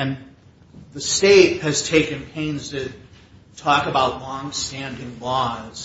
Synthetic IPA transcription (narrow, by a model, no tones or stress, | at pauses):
ɨ̃n | ðɨsteɪt̚hɨz̥tʰeɪkɨ̃npʰẽɪ̃nz̥tʰɨ | tʰɔkəbaʊtˡlɔ̃ŋstæ̃ndɪ̃ŋlɔz̥